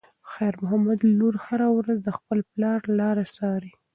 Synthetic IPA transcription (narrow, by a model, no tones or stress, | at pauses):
xajɾmʊɦamad̪luɾhaɾawɾazd̪əxpəlplɑɾlɑɾasɑɾi